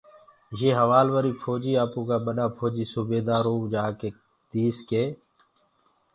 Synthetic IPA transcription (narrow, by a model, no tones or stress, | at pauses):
jeːɦəʋaːlʋəɾiːpʰoːd͡ʒiːaːpũːkaːɓəɗãːpʰoːd͡ʒiːsubeːd̪aːɾõːd͡ʒaːkeː | t̪iːskeː